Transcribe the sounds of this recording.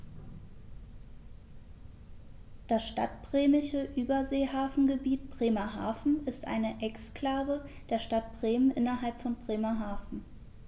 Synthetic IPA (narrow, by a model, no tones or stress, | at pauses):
d̥asʃta̰tb̥ʁ̥eːmɪʃəʔyːbɐzeːhaːfn̩ɡəbiːtb̥ʁ̥eːmɐɦa̰ːfn̩ɪstʔa̰ɪnəʔɛkskl̥aːvəd̥eːɐʃtat̚b̥ʁeːmənʔɪnɐɦalpfɔnbʁ̥eːmɐɦaːfn̩